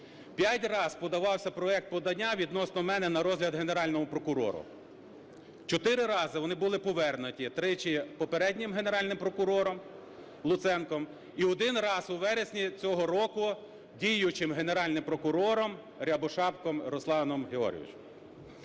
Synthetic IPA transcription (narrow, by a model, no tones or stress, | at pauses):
pʲjatʲrɑzpɔd̪ɐʋɑwsʲɐpɾɔɛk̚t̪̚pɔd̪ɐnʲːaʋʲid̪nɔsnɔmɛnɛnɐɾɔzʲɦlʲɐd̪ɦe̞neɾɑlʲnɔmʊpɾɔkʊɾɔ̰ɾʊ̰ | t͡ʃɔt̪ɪɾɪɾɑzɪʋɔnɪbʊlˠɪpɔʋɛrnʊtʲit̪ɾɪt͡ʃɪpɔpeɾɛdʲnʲɪmɦene̞ɾɑlʲnɪmpɾɔkʊɾɔɾɔm | lˠʊt̪sɛnkɔm | iɔd̪ɪnrɑzʊʋɛɾesʲnʲit͡sʲɔɦɔɾɔkʊ | dʲijʊt͡ʃɪmɦene̞ɾɑlʲnɪmpɾɔkʊɾɔɾɔm | ɾʲɐbɔʃɑpkɔmɾɔslˠɑnɔmɦeɔ̰ɾʲɪ̰ḭt͡ʃɛm